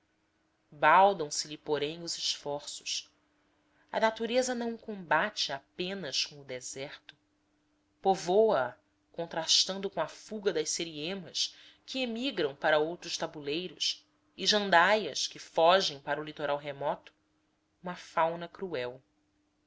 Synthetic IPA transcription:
bawd̪ɐ̃w̃sɪlipoɾẽj̃ʊzɪʃfɔɾsʊ̥ʃ | ɐ̰nat̪uɾezɐnɐ̃w̃kõbat͡ʃɪapẽnɐskõʊd̪ɛzɛχt̪ʊ̥ | povowɐ | kõnt̪ɾaʃt̪ɐ̃nd̪ʊkõɐfuɡɐd̪ɐʃseɾiẽmɐs | kʰɪemiɡɾɐ̃w̃paɾɐowt̪ɾʊʃt̪abulejɾʊs | ɪʒɐ̃nd̪ajɐskɪfɔʒẽj̃paɾɐʊlit̪oɾʔawɦemɔt̪ʊ̥ | ũmɐfawnɐkɾuɛw

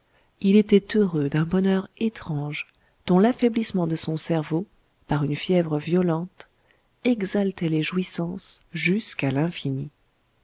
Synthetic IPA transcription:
ilet̪ɛt̪øʁød̪ɛ̃bɔnœʁet̪χɑ̃ʒ | d̪̥ɔ̃lafɛblismɑ̃d̪əsɔ̃sɛʁvo | paʁynfjɛvʁəvjɔlɑ̃t̪ | ɛɡzalt̪ɛleʒwisɑ̃sʒyskalɛ̃fini

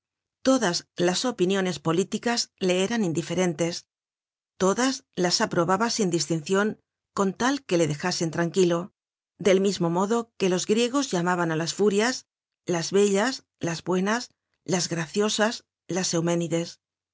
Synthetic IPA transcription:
t̪o̞ðazlaso̞pinjo̞ne̞spo̞lit̪ikazle̞eɾanind̪ife̞ɾe̞nt̪e̞s | t̪o̞ðazlasapɾo̞βaβasind̪ist̪in̟θjo̞ŋ | ko̞nt̪alke̞le̞ðe̞xase̞nt̪ɾaŋkilo̞ | d̪e̞lmizmo̞mo̞ðo̞ke̞lo̞zɣɾje̞ɣ̞o̞zʝamaβanalasfuɾjas | lazβe̞ʎas | lazβwe̞nas | lazɣɾaθjo̞sas | lase̞wme̞niðe̞s

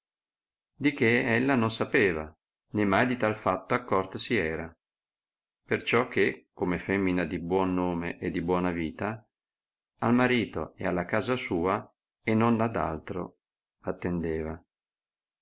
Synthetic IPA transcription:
d̪ikeɛlːanonsapeːva̰ | nemːajd̪it̪alfat̪ːoakːɔrt̪osiɛːɾa | pert͡ʃɔkʰːekːomefɛmːinad̪ibwɔnːoːmeʔed̪ibwɔːnaviːt̪a | almaɾiːt̪o̰ḛalːakaːzasuːa | enːonad̪a̰lt̪ɾo̰ | at̪ːend̪eːva

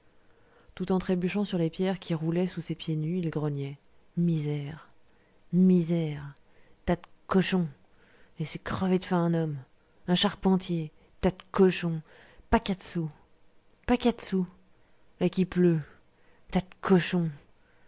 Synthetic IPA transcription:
t̪ut̪ɑ̃t̪χebyʃɑ̃syʁlepjɛʁkʲiʁulɛsusepjenyilɡʁənjɛ | mizɛʁ | mizɛʁ | t̪at̪kɔʃɔ̃ | esɛkχəved̪fɛ̃ɛ̃nɔm | ɛ̃ʃaʁpɑ̃t̪je | t̪ad̪kɔʃɔ̃ | pakʲad̪su | pakʲad̪su | lakʲiplø | t̪at̪kʰɔʃɔ̃

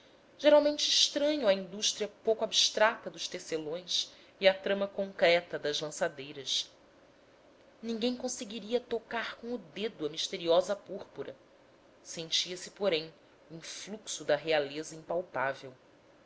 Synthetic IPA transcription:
ʒ̥eɾawmẽnt͡ʃɪːʃt̪ɾɐ̃ɲʊɐĩd̪uʃt̪ɾiɐpowkʊabiʃt̪ɾat̪ɐd̪ʊʃt̪eselõj̃s | iat̪ɾɐ̃mɐkõŋkɾɛt̪ɐd̪ɐzlɐ̃sad̪ejɾɐs | nĩŋɡẽj̃kõseɡiɾiɐt̪okaɾkõʊd̪ed̪ʊɐmiʃt̪eɾiɔzɐpuɾpuɾɐ | sẽnt͡ʃiɐsɪpoɾẽj̃ | ĩfluksʊd̪ɐɦealezɐĩmpawpavew

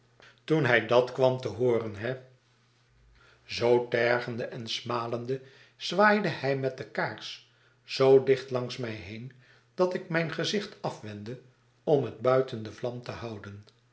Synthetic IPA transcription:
tunɦɛjdɑtkʋɑmtəɦʊːrənɦɛ | zowtɛɹχəndəʔɛnsmaːlənd̪ə | z̥ʋaːjdəhɛjmɛt̚dəkaːɹs | z̥owdɪχtlɑŋsmɛjɦejn | d̥ɑtɪk̚mɛjnχəzɪχtɑfʋɛndə | ɔmɦəd̚bœɥtəndəvlɑmtəhɑwdən

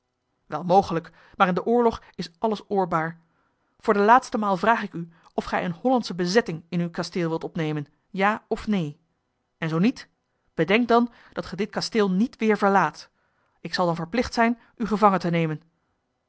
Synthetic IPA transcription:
ʋɛlˠmowχələk | maːɾɪndəʔʊːɹlɔχ | ɪsɑləsʊːɹbaːɹ | v̥ʊːɹdəlaːtstəmaːlˠvraːχɪky | ɔfχɛjənɦɔlɑntsəbəzɛtɪŋɪnywkastɪːlˠʋɪlˠtɔpnejmən | jaːɔfnej | ɛnzownit | b̥ədɛŋk̚dɑn | dɑtχədɪtkastɪːlˠnitʋɪːɹvəɹlaːt | ɪksɑlˠdɑnvəɹplɪχtsɛjn | yχəvɑŋəntənejmən

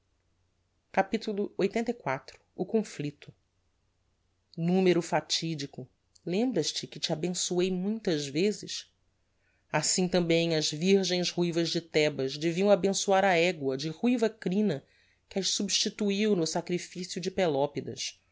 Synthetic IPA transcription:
kapit̪ulˠʊojt̪ẽnt̪ɐjkwat̪ɾʊ̥ːkõflit̪ʊ̥ | nũmeɾʊfat͡ʃid͡ʒikʊ | lẽmbɾɐʃt͡ʃɪkɪt͡ʃabẽsuejmũj̃t̪ɐzvezɪ̰s | asĩt̪ɐ̃mbẽj̃ɐzviɾʒẽj̃zhujvɐzd͡ʒɪt̪ɛbɐzd͡ʒɪviɐ̃w̃abẽsuaɾɐɛɡwɐd͡ʒɪʁujvɐkɾĩnɐ | kɪaʃsubʃt͡ʃit̪uiwnʊsakɾifisijʊd͡ʒɪpelɔpid̪ɐ̰s

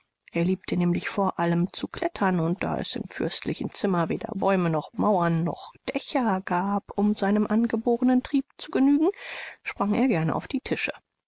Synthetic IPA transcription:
ʔeːɐliːp̚tʰənɛːmlɪçfoːɐʔaləmt͡sukʰl̥ɛtʰɐnʊnt̚d̥a̰ːʔɛ̰sɪ̰mfʏɐstʰlɪçn̩t͡sɪmɐveːdɐ̰bɔʏmənɔχmaʊɐnːɔ̰χd̥ɛçɐɡ̥aːpʊmzaɪnəmʔanɡəboːʁənəntʁ̥iːp̚t͡suɡənyːɡŋ̩ʃpʁ̥aŋeːɐɡɛɐnəʔa̰ʊfd̥iːtʰɪʃə

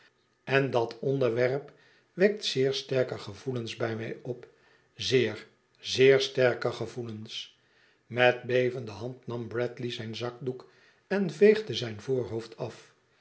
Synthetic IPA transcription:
ɛndɑtʰɔndəɹʋɛɹp | ʋɛk̚tsɪːɹstɛɹkəχəvulənzbɛjmɛjɔp | zɪːɹ | zɪːɹstɛɹkəχəvuləns | mɛt̚bejvəndəɦɑntnɑmbrɛtlizɛjnzɑk̚duk | ɛnvejχdəzɛjnvoːɹɦoʊftʰɑf

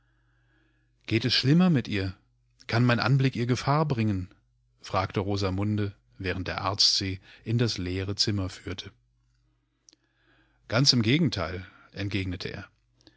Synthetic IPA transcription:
ɡ̥eːtɛsʃlɪmɐmɪtʔiːɐ | kʰanmaɪnʔa̰nblɪkʔiːɐɡəfaːɐbʁɪŋən | fʁ̥aːktəʁoːzamʊndə | vɛːʁ̞ən̩t̚d̥ḛːɐʔa̰ɐt͡stz̥eːʔɪndasleːʁ̞ət͡sɪmɐfyːɐtʰə | ɡ̥ant͡sɪmɡeːɡŋ̩tʰaɪl | ʔɛnt̚ɡ̥eːɡnətʰəʔḛːɐ

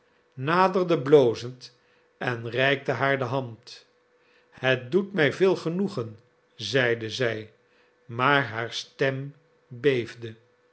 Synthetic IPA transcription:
naːdərdəblowzənt | ɛnrɛjk̚təɦaːɹdəɦɑnt | hət̚dutmɛjvɪːlˠχənuχən | zɛjdəzɛj | maːɹɦaːɹstɛm | bejvdə

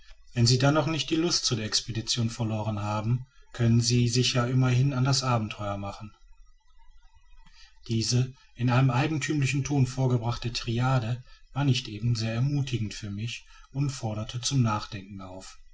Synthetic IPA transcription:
vɛnziːdɛnːɔχnɪçt̚d̥iːlʊstt͡sudeːɐɛkspedit͡sjoːnfɛɐloːʁ̞ənɦaːbm̩kʰœnənziːzɪçjaːʔɪmɐhɪnandasʔaːbm̩tʰɔʏɐmaχn̩ | d̥iːzə | ʔɪnʔaɪnəmʔaɪɡŋ̩tʰyːmlɪçn̩tʰoːnfoːɐɡəbʁaχtətʰʁ̥iaːdəvaːɐnɪçtʔeːbm̩zeːɐɛɐmuːtʰɪɡŋ̩tfyːɐmɪçʊntfɔɐɾɐtʰət͡sʊmnaːχd̥ɛŋkŋ̩aʊf

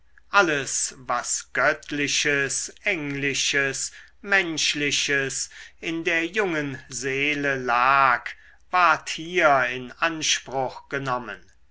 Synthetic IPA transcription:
ʔaləsvasɡ̥œtʰlɪʃəsʔɛŋlɪʃəs | mɛnʃlɪʃəsɪndeːɐjʊŋənzeːləlaːk | vaɐthiːɐɪnʔanʃpʁ̥ʊχɡ̥ənɔmən

